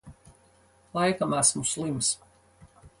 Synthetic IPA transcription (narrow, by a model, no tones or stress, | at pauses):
lˠajkamasmuslˠims